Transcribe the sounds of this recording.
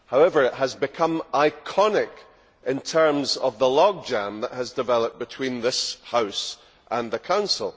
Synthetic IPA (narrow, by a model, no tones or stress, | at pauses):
haʊɛvə˞ɪʔɦəzbɪkʰʌ̃mʔaɪkʰɔnɪk | ɪ̃ntʰɜ˞mzəvðəlˠɔɡ̚d͡ʒãnðəʔhəzdɪvɛlˠəp̚b̥ɪtʰw̥ĩnðɪshaʊs | ʔə̃nðəkʰãʊ̃nsəl̩ˠ